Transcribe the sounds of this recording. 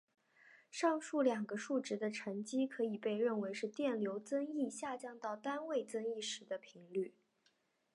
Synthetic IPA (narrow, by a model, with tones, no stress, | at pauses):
ʂɑ˥˧ŋʂu˥˩ljɑ˨˩ŋɡə˦ʂu˥˩ʈ͡ʂɻ̩˧˥d̪ə˧ʈ͡ʂʰə˧˥ŋt͡ɕi˥kʰɤ˧˥i˨˩pe˥˧ɪɻə˥˩nwe˧˥ɪʂɻ̩˥˧t̪jɛ˥˩nljo˧˥ʊt͡sə˥ŋi˥˧ɕja˥˧˩t͡ɕjɑ˥˧ŋt̪ɑ˥˩ʊt̪a˥nwe˥˩ɪt͡sɤ˥ŋi˥˩ʂɻ̩˧˥d̪ə˧pʰi˧˥ŋly˥˩